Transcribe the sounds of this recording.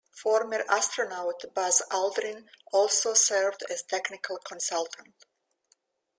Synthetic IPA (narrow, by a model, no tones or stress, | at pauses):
fɔɾməɾʔast̪ɾonawt̪bazald̪ɾɪ̃nɔlˠsoːsɛɹvd̪ɛz̥t̪ʰɛknɪkʰalˠkʰɔ̃nsalˠt̪ʰə̃nt